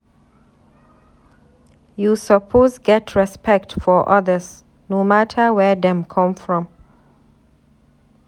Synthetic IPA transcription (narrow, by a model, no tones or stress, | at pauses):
jusəpʰozɡɛtʰɹɛspɛk̚tfɔʔʌðəz | nomatʰəwɛðɛ̃mkʰʌ̃mfɹɔ̃m